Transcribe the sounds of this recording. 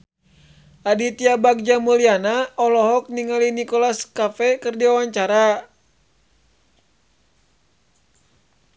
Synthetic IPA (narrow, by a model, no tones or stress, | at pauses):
adit̪iabak̚d͡ʒamulianaɔlɔɦɔk̚niŋalinikɔlaskafɛkɨrdiawaɲt͡ʃaɾa